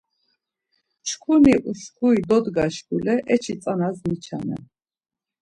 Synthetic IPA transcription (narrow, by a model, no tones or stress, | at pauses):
t͡ʃʰkʰuniʔuʃkʰuid̪ɔd̪ɡaʃkulɛʔɛt͡ʃʰit͡s̪ʼanazmit͡ʃʰa̰nɛ̰